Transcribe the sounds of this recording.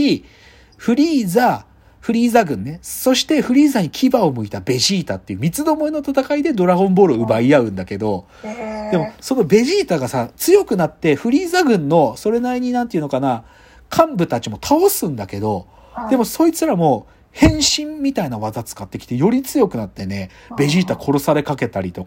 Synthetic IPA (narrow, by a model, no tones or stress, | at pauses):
i | ɸɯ̟ɾʲiːza | ɸɯ̟ɾʲiːzaɡɯ̟̃nːe̞so̞ɕi̥t̪e̞ɸɯ̟ɾʲiːzaɲ̟ikʲʰibao̞mɯ̟it̪abe̞ʑiːt̪at̪ːe̞iɯ̟mʲit͡sɨd̪o̞mo̞eno̞t̪at̪akaid̪e̞d̪o̞ɾaɡõ̞mbo̞ɾɯ̟ɯ̟baiaɯ̟̃nd̪ake̞d̪o̞ | d̪e̞mo̞so̞no̞be̞ʑiːt̪aɡasat͡sɨjo̞kɯ̟nat̪ːe̞ɸɯ̟ɾʲiːzaɡɯ̟̃nːo̞so̞ɾe̞naiɲ̟inãnt̪eiɯ̟nokana | kʰãmbɯ̟t̪at͡ɕimo̞t̪ʰao̞sɨ̃nd̪ake̞d̪o̞ | d̪̥e̞mo̞so̞ːit͡sɨɾamo̞ː | hẽ̞ɰ̃ɕĩmːʲit̪ainaβ̞azat͡sɨ̥kat̪ːekʲi̥t̪e̞jo̞ɾʲit͡sɨjo̞kɯ̟nat̪ːe̞ne̞ | be̞ʑiːt̪akʰo̞ɾo̞saɾe̞kake̞t̪aɾʲit̪o̞ka